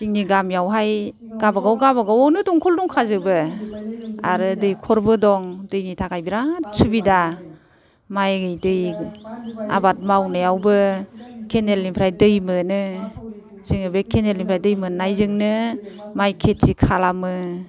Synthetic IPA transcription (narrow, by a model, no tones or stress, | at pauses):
ziŋniɡamjawɦaj | ɡ̥abaɡawɡabaɡawɔwnɯdɔŋkʰɔldɔŋkʰazɯbɯ | aɾɯdɯjkʰɔɾbɯdɔŋdɯjnitʰakʰajbiɾasʰubida | majɡɯjdɯj | a̰bat̚mawnɯjawbɯkʰenelːimpʰɾajdɯjmɯnɯ | z̥iŋɯbekʰenelimpʰɾajdɯjmɯnajzɯŋnɯmajkʰetsikʰalamɯ